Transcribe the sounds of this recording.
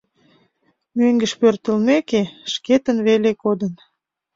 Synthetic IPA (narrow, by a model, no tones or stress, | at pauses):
møŋɡəʃpørt̪əlmekeʃket̪ənβelekod̪ən